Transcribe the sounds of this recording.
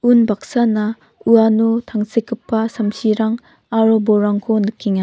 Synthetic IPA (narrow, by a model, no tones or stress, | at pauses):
unbak̚sana | uanutʰaŋsekʰːɯpːasamsiɾaŋ | aɾoboɾaŋkʰonɯkʰːiŋa